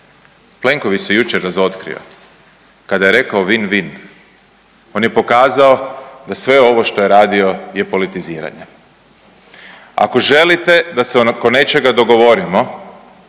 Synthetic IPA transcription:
ple̞ŋko̞ʋit͡ʃsjejut͡ʃeɾːazo̞t̪kɾḭo̰ | kad̪ajeɾe̞kaoʋinʋin | o̞ːnjepo̞kaːzao̞d̪asʋe̞o̞ʋo̞ʃt̪o̞je̞ɾaːd̪io̞je̞po̞lit̪iziːɾa̰ɲe | a̰ko̞ʒe̞lit̪e̞d̪asekone̞t͡ʃe̞ɡad̪o̞ɡo̞ʋo̞ɾimo̞

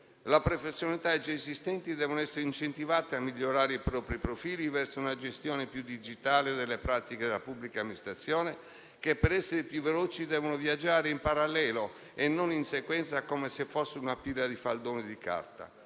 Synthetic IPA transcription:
lapɾofesːjonalit̪aed͡ʒesist̪ɛnt̪id̪ɛːvonoɛsːeɾeint͡ʃent̪ivaːt̪eamːiʎːoɾaːɾeipɾɔːpɾipɾofiːlivɛrsounad͡ʒest̪jɔːnepjud̪id͡ʒit̪aːled̪elːepɾaːt̪iked̪elapubːlikamːinist̪ɾat̪sːjɔːne | kepːeɾɛsːeɾepjuvːeloːt͡ʃid̪ɛːvonovjad͡ʒːaːɾeimpaɾalːɛːlo | enːoninsekwɛnt̪sakomesefːosːeunapilad̪ifald̪oːned̪ika̰rt̪a̰

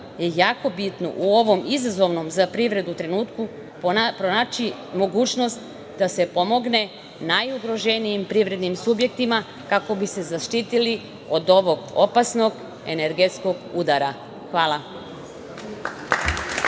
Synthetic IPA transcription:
je̞jaːko̞bit̪no̞̰ʔuo̞ʋo̞mizazo̞ʋno̞mzapɾiʋɾe̞d̪ut̪ɾe̞nuːt̪ku | ppɾonat͡ʃi | mo̞ɡuːt͡ʃno̞st̪ | d̪ase̞po̞mo̞ɡne̞ | najuɡɾo̞ʒenijimpɾiʋɾe̞d̪nimsubje̞k̚t̪ima | kako̞bise̞zaʃt̪iːt̪ili | od̪o̞ʋo̞ɡo̞pasno̞ɡ | ene̞ɾɡe̞t̪sko̞ɡud̪aɾa | xʋaːlˠa

